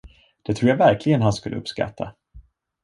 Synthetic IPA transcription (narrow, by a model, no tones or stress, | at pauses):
d̪̥ɛt̪ʰɾuːjavæɾklɪɡənɦanskɵlːəɵ̰pska̰t̪ʰːa̰